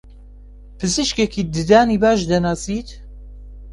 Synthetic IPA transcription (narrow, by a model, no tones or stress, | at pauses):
pʰɨzɨʃkekiːd̪ɨd̪aːniːbaːʃd̪ɐnaːsiːt̪